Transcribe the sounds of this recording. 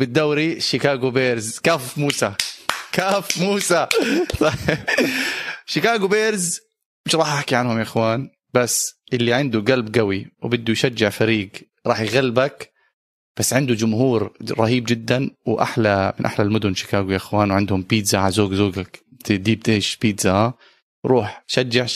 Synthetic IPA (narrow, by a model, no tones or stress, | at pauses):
bɪd̪ːawɾiʃɪkaːɡubeːɾzkaːfmuːsakaːfmuːsa | ʃɪkaːɡubeːɾz | mɪʃɾˤɑːħʔaħkiʕanhʊmjaʔɪxwaːn | b̥asːʔɪlːiʕɪnd̪uɡalbɡawiwbɪd̪ːujʃad͡ʒːɪʕfaɾiːɡ | ɾˤɑːħjɣalːbak | b̥asːʕɪnd̪ud͡ʒʊmhuːɾɾˤɑhiːbd͡ʒɪd̪ːanwʔa̰ħlamɪnʔa̰ħlalmʊd̪ʊnʃɪ̥kaːɡujaʔɪxwaːnwʕɪnd̪hʊmpiːt̪zaʕalzoːɡzoːɡak | t̪ɪd̪iːb̚t̪ɪhʃpiːt̪z̥ahaː | ɾˤuːħʃad͡ʒːaʕ